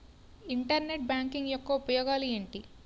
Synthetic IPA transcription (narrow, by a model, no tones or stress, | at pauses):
iɳʈɐɾne̞ʈ̚bjaːŋkiŋɡjɔkːɐupɐjɔːɡaːlueːɳʈi